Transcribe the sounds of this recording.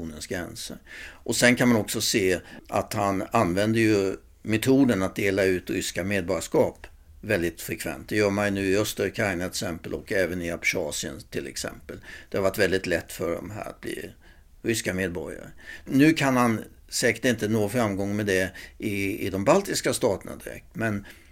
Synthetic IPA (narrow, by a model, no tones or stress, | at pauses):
uːnənsɡɾɛnsə̰ɾʔɔsɛnkʰanmanɔksɔseːʔa̰t̪hananvɛnd̪əjɵ | mɛt̪ʰuːd̪ənat̪̚d̪eːlaʉ̟ːt̪ɾʏskameːd̪̚bɔɾjaʂkɑːp | vɛld̪ɪt̪fɾɛkʰvɛ̰nt̪̚d̪ɛjœːɾmajnʉ̟ːɪœst̪əɾkʰɾaɪnaɛksɛmpəlɔ̰kːɛːvənɪapʂɑːsɪə̰nt̪ʰɪlɛ̰ksɛ̰mpəld̪̥ɛhaɾvaʈ̪ːvɛld̪ɪt̪lɛt̪ːfœɖɔ̰mɦæ̰ːɾa̰t̪̚b̥lḭ | ɾʏskameːd̪̚bɔɾja̰ɾə̰nʉ̟ːkʰanhan | sɛːkə̥ʈɪnt̪ənoːfɾamɡɔŋːmɛd̪ɛʔɪɪd̪ɔmbalt̪ɪskast̪ɑːt̪əna̰d̪ɪɾɛ̰k̚t̪mɛn